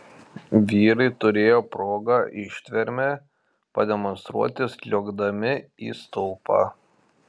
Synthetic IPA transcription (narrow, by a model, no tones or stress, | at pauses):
ʋʲiːɾɐɪt̪ʊɾʲeːjoːpɾoːɡaʔɪʃʲt̪ʲʋʲɛɾʲmʲe | pɐd̪ʲɛmɔnst̪ɾṵɔt̪ʲɪslʲoːɡd̪ɐmʲɪḭːst̪ɔʊpɑ̰ː